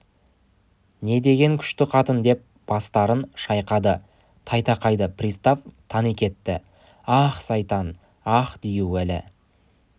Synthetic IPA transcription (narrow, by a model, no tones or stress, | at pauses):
ne̞d̪e̞ɡʲe̞ŋkʲʰʏ̥ʃt̪ɪqʰɑt̪ənd̪e̞p̚ | b̥ɑst̪ɑɾənʃɑjqɑd̪ə | t̪ʰɑjt̪ɑqɑjd̪əprʲist̪oft̪ʰɑnikʲe̞t̪ːɪ | ɑχsɑjt̪ɑn | ɑχd̪ijuwælɪ̰